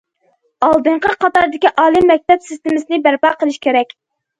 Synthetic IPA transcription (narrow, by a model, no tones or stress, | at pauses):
ɑlˠd̪ɨɴqəqʰɑt̪ɑɾd̪ɪkʲiʔɑːlˠɨmːɛk̚ʲt̪ɛpsɪst̪ɪmɪsɨnɪbæɾpɑqəlˠɪʃkʲeɾɛkʲ